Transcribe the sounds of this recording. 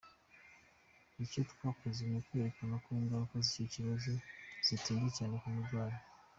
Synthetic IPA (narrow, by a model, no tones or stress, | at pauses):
icotu̥kwakuzimekweɾekanakuːŋɡaokoziciciɾozoz̥itiːndecaːnekumudwaːɾo